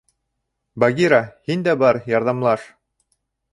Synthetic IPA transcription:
baɡiɾahind̪æbɑɾjɑɾðɑmlˠɑʃ

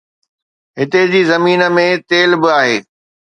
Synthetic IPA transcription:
ɦɪt̪ed͡ʑiːzɐmiːnə̆mẽt̪eːlbɪaːɦeː

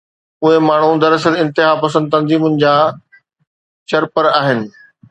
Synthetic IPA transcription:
ʊɦemaːɳ̤ud̪ɐɾəsəlɪ̃nt̪ɪɦapɐsə̃nd̪̚t̪ɐ̃nziːmʊnɪ̆d͡ʑaː | t͡ɕɐɾpəɾaːɦɪnɪ̆

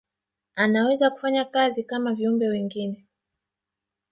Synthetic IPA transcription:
anawɛzaku̥faɲakazikamaviumbɛwɛŋɡinɛ

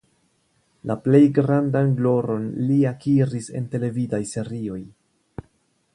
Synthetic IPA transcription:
laple̞jɡɾandanɡlo̞ɾo̞nliakiɾise̞̰nte̞le̞vidajse̞ɾio̞j

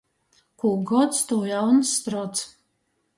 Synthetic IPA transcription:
kʰuɡɔt̪st̪ujawnsːt̪ɾɔt̪s

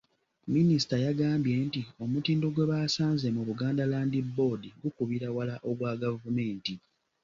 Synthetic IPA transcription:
minisi̥tajaɡaːmbje̞ntio̞mutiːndo̞ɡwe̞βasaːnze̞muβuɡaːndalaːndibːo̞diɡukuβiɾawalaʔo̞ɡwaːɡavume̞ːnti

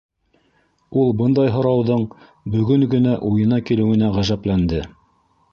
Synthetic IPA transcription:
ulˠbɤnd̪ɑjɦŏɾɑwðɤɴ | bɵ̆ɡɵŋɡɵ̆næʔujɤ̆nɑkilɘ̆wɘ̆næʁæʒæplænd̪ɘ

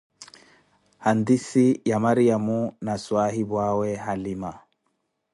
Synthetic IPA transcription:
hand̪isijamaɾijamunaswaɦibwawɛɦalima

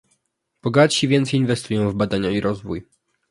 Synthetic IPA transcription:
b̥ɔɡatɕivʲjɛnt̪sɛjinvɛst̪ujɔ̃w̃vbad̪aɲaiɾɔzvuj

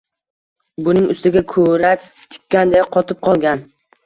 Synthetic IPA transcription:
bʊnɪŋʊst̪ɪɡʲakʰɵɾak̚ʲ | t̪ʰɪ̥kʲʰːand̪ejqʰɒt̪ʰɪp̚qʰɒlˠɡʲan

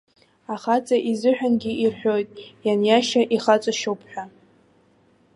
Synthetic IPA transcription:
aχat͡sʼaʔizɨħᶣanɡʲiʔirħʷᶣo̞jtʼjanjaʃaʔiχat͡sʷʼaʃowpʰħʷᶣa

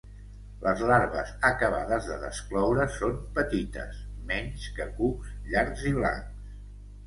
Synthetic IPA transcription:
lʔəzlaɾβə̰zəkəβ̞a̰ðəzðəðə̰sklɔwɾəsompət̪it̪ə̰smɛɲʲskəkusʎaɾɡziβ̞la̰ŋks

